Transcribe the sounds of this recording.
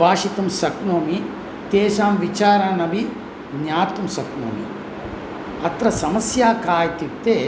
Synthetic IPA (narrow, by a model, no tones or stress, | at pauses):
baːʂit̪ɐmsɐknoːmi | t̪ɛːʃaːmʋit͡ʃaːɾaːnɐbʱi | ɲaːt̪ɐmsɐkno̰ːmḭ | ɐt̪ɾɐsɐmɐsjaːkaːjt̪it̪ːeː